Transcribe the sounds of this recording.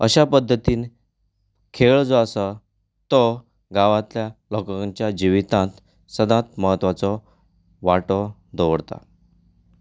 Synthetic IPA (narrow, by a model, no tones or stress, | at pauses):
əɕapəd̪ʱːət̪iːn | kʰeɭd͡zɔəsa | t̪ɔ | ɡaʋãt̪ljalokəkãt͡ɕjad͡ʑiʋit̪ãt̪ | səd̪ʱãt̪məɦət̪ʋat͡sɔ | ʋaʈɔd̪oʋəɽt̪a̰